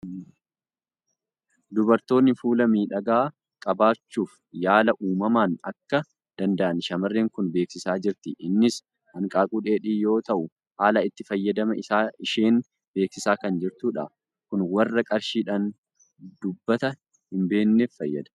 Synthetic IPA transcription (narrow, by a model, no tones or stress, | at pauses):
d̪ʊbɐɾt̪o̞ːnːɪfuːlɐmiːᶑɐɡaː | kʼɐbaːt͡ʃːuːf | jaːlɐʔuːmɐmaːnɐkːɐ | d̪̥ɐnd̪ɐʔɐnʃɐmɐrːeːŋkʊnbe̞ːksɪsaːd͡ʒɪɾt̪ɪʔɪnːɪs | hɐŋkʼaːkʼuᶑeːᶑiːjo̞ːt̪ɐʔʊ | haːlɐɪt̪ːɪfɐjːɐd̪ɐmɐɪaːɪʃe̞ːn | be̞ːksɪsaːkɐnd͡ʒɪɾt̪uːᶑa̰ | kʊnwɐrːɐkʼɐɾʃiːᶑaːn | d̪ʊbːɐt̪ɐ | hɪmbe̞ːnːefːɐjːɐd̪ɐ̥